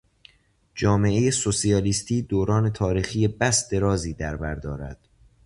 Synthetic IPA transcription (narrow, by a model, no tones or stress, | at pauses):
d͡ʒɒːme̞ʔejesosiɒːliːst̪ʰiːd̪oːɾɒːne̞t̪ʰɒːɾiːxiːjebæsd̪e̞ɾɒːziːd̪æɾbæɾd̪ɒːɾæ̰d̪̥